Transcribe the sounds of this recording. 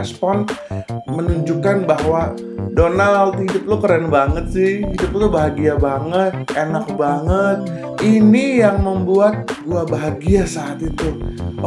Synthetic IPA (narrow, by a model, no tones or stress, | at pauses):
spɔn | mənuɲd͡ʒukanbaɦwa | donalt̪hidʊp̚lʊkəɾanbaŋət̪̚sɪhhidʊp̚ut̪ubaɦaɡiabaŋət̪̚enak̚baŋət̪̚ | inijaŋməmbuat̪̚ɡuabaɦaɡiasaːt̪it̪u